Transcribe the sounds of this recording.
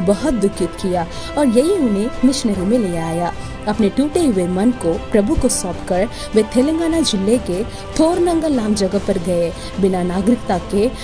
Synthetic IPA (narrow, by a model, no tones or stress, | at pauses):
bɐɦʊt̪̚d̪ʊkʰːɪt̪kijaː | ɔːɾjɐɦiʊnɦẽmɪʃnəɾomẽleːaːjaː | ɐpneʈuːʈeʋemɐnkopɾɐbʱukosɔ̃ːpkɐɾ | ʋeːt̪ʰeːlẽŋɡaːnad͡ʒɪlːeke | t̪ʰoːɾnɐ̃ŋɡəlãːmd͡ʒɐɡəpɐɾɡɐe | bɪnanaːɡɾɪk̚t̪ake